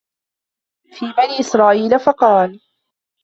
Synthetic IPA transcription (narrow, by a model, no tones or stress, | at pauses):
fiːbaniːʔɪsɾˤɑːʔiːlafɑqɑːl